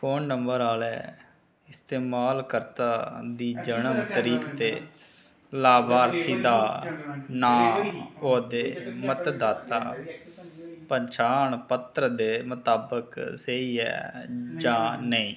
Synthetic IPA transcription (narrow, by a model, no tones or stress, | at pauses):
pʰoːnːəmbəɾaːlɛː | ɪst̪eːmaːlkəɾt̪aːd̪iːd͡ʒənəmt̪əɾiːkt̪eː | laːbaːəɾt̪ʰiːd̪aː | nãːoːd̪eːmət̪d̪aːt̪a̰ː | pəɲt͡ʃaːɳpət̪ɾəd̪eːmət̪aːbəkseiːɛ̰ːd͡ʒaːnəĩː